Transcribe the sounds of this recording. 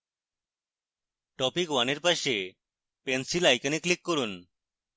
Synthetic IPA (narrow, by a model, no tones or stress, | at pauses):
ʈɔpikwaneɾpaʃe | pensilajkaneklikːoɾun